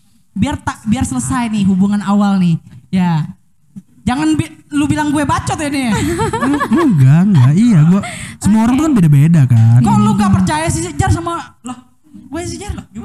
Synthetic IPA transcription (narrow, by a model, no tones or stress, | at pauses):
biart̪abiarsələsajnɪɦubuŋanawalnɪhja | d͡ʒaŋanbilubilaŋɡuɛbat͡ʃɔt̪ɛni | ɡuɡaŋɡaijaɡuasəmuaoɾaŋt̪ukanbedabedakaɔluɡapərt͡ʃajasid͡ʒarsamalah | ɡuɛsid͡ʒarlad͡ʒu